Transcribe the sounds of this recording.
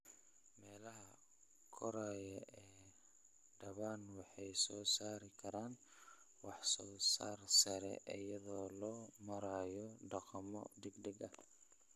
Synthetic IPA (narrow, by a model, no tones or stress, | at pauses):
mɛːlɐɦɐ | kʰɔɾaːjɐʔɛː | ɖɐβaːnwɑħɑjsɔːsaːɾɪkʰɐɾaːn | wɑħsɔːsaːrsɐɾɛ̰ʔɪjɐðɔːlɔːmɐɾaːjɔɖɑqɑmɔ̰d̪ɛɡd̪ɛɡɐ